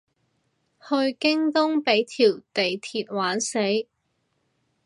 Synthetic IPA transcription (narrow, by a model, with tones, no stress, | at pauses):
hɵ˧ɥkɪ˥ŋt̪ʊ˥ŋpe˨˥jt̪ʰiː˨˩wt̪e˨jt̪ʰiː˧t̚waː˨˥nse˨˥j